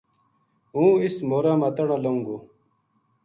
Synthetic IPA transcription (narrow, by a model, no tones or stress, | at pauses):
ũːismoːɾamɐt̪ɐɽ̃ãloũŋɡoː